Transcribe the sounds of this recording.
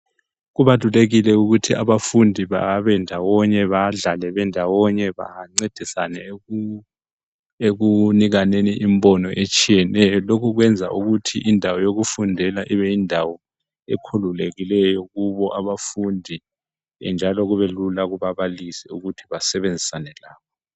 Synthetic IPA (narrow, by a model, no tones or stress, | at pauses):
ɣuβatuleɣilɛuɣutʰiaβafundʱiβa̰βɛndʱawɔɲɛβaɮalɛβɛndʱawɔɲɛβa̰ŋ͡ǀed̥ʱisa̰nɛ | eɣuniɣaneniʔimbɔnɔʔet͡ʃʼijɛnɛjɔlokʰuɣ̬wɛnd͡zʱa̰ʔuɣutʰḭʔindʱawɔjoɣufundʱɛlaʔiβɛindʱawɔ | ekʰululeɣilɛjɔɣuβɔʔaβafundʱḭ | nd͡ʒʱalɔɣuβelulaɣuβaβalisiuɣutʰiβasɛβend͡zʱisanɛlaːkʰɔ